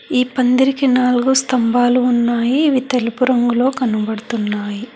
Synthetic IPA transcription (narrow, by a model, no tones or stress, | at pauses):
iːpɐnd̪iɾikinaːluɡust̪ɐmbaːluːnːaːjiːʋit̪elipuɾɐŋɡulo̞ːkɐnubɐɽɐt̪unːaːji